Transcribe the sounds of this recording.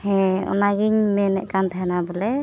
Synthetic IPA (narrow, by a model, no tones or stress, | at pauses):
hɛ̃ɔ̰naɡiɲmɛnɛ̰ʔkant̪ʰaɦɛnabulɛ